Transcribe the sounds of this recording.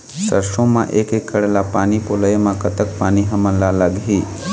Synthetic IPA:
səɾʃõmã̰ʔeːkekːəɽelapaːnipoləjmãkət̪ək̚paːniɦəmənlaləɡʱi

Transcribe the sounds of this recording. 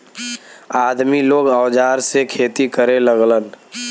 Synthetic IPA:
aːd̪miloːɡəwd͡ʒaːɾsekʰeːt̪ikəɾeləɡlən

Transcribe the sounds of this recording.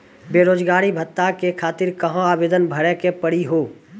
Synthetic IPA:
beːɾoːd͡ʒɡaːɾibʱət̪ːakekʰaːt̪ɪɾkəɦõaːbeːd̪ənbʱɐɽekepəɽiɦoː

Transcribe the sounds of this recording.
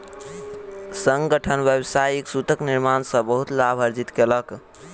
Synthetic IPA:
səŋɡəʈʰənbjəbsajiksut̪əkniɾmansə̃bəɦut̪labʱəɾd͡ʒit̪kelək

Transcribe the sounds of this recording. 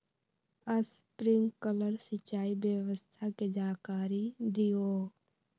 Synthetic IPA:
əspɾɪ̃ŋɡkələɾsət͡ʃːaːibjəʋəst̪ʰaked͡ʒaːkaːɾid̪ioː

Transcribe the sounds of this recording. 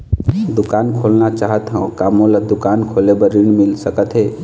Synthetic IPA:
d̪ukankʰolnat͡ʃaɦət̪ɦə̃kamõlad̪ukankʰolebəɾiɽmilsəkət̪ɦe

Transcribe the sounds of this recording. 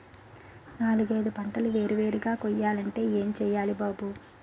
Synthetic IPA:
naːluɡɐjd̪upɐɳʈɐluʋe̞ːɾuʋe̞ːɾuɡaːkojːaːlɐɳʈe̞ːeːmt͡ʃɛːjaːlibaːbu

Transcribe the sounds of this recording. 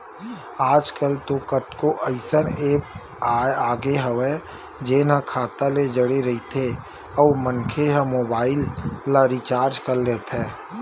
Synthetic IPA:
aːd͡ʒkəlt̪okəʈkoʔəɪsəneːpː | aːɡeɦəwe | d͡ʒeːnakʰaːt̪aled͡ʒəɽeɾəɦit̪ʰe | ɔːmənkʰeɦəmoːbaːɪlːaɾit͡ʃaːɾd͡ʒkəɾleːt̪ɦɛː

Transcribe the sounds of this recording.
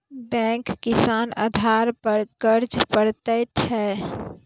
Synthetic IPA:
bɛ̃ŋkːisanə̰d̪ʱaɾpəɾkəɾd͡ʒpəɾt̪əɪt̪ɦɛ

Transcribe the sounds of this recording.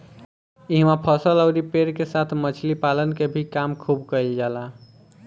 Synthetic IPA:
iɦmapʰəsələʊɾipeɾkesat̪ʰmət͡ʃʰlipalənkebʱikamkʰubkəjld͡ʒala

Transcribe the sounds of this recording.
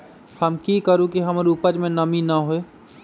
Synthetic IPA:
həmkikəɾũkiɦəmɾupəd͡ʒmẽnɐminəɦoe

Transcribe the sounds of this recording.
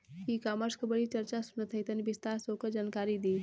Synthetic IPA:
kikaməɾskəbəɽit͡ʃəɾt͡ʃasunət̪ɦəjt̪ənibist̪aɾsokəd͡ʒankaɾid̪i

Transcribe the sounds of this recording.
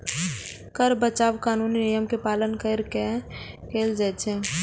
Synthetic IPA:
kəɾbət͡ʃaːʋkaːnuːninijəmkepaːlənkəɾke | keːld͡ʒɛt͡ʃʰe

